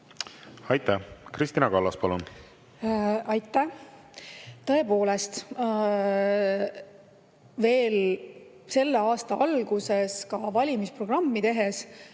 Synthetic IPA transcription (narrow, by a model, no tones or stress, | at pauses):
ɑjt̪ːˑækɾist̪inɑkɑlːɑspɑlun | ɑjt̪ːˑæ | t̪ɤ̞e̞po̞ːlest̪ | ve̞ːl | se̞lːe̞ɑːst̪ɑɑlɡ̥use̞skɑvɑlʲimispro̞ɡ̥rɑmːit̪e̞ɦes